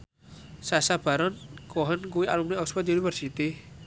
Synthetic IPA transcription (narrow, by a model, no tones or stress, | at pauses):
sasab̥a̤ɾɔnkoɦənɡuiʔalumneɔspəd̪unibərsit̪i